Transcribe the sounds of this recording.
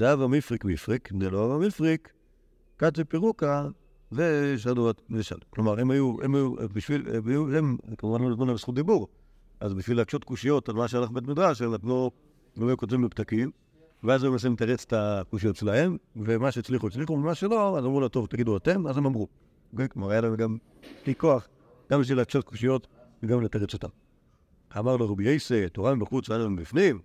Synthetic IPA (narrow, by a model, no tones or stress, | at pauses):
zavamifʁikmifʁikneloavamifʁikː | aepiʁuka | zeʃ̬aduateʃa̰lklomaʁimajuemajubiʃviluemkamuvanlolizmonabsχut̚d̪ibuʁ | azbiʃvilakʃo̞tkuʃijo̞tazoaʃelaχbet̬mid̪ʁaʃ̬elatmo | loajukotvimleptakim | veazemas̬emetaʁet͡se̥takuʃijo̞tʃelahemvemaʃeit͡sliχuit͡sliχumemaʃelo̞azamʁulato̞vt̪aɡiduatemazemamʁu | ɡekmaʁajalamɡam | bliko̞aχ | ɡ̥ambiʃ̬vilat͡ʃo̞t̚ku̥ʃijo̞tveɡamletaʁet͡sotam | amaʁloʁebiejsetoʁabeχut͡saalaembifnim